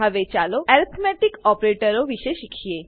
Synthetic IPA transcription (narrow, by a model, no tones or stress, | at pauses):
əʋet͡ɕaloɛɾit̪ʰmɛʈikɔpɾeʈəɾoʋiʃeʃikʰije